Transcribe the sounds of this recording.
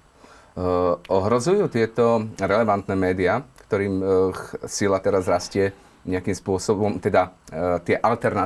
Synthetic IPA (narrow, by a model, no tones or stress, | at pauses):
ʔɔɦɾɔzujuːt̪ɪɛt̪ɔɾɛlɛʋant̪nɛmɛːd̪ɪakt̪ɔɾiːm | silat̪ɛɾazɾascɪɛ | ɲɛakiːmspʊɔsɔbɔmt̪ɛd̪at̪ɪɛʔalt̪ɛɾna